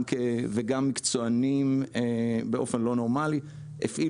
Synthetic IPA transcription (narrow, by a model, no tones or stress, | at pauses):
keveɡamːikt͡so̞animebeʔo̞fe̞nlo̞no̞ʁmali | ḛfʔi